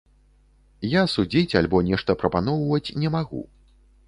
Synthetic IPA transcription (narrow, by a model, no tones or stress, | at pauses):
jasud͡zʲit͡sʲalʲbɔnʲɛʂt̪ɐpɾɐpanɔwvɐt͡sʲnʲɛmaɣṵ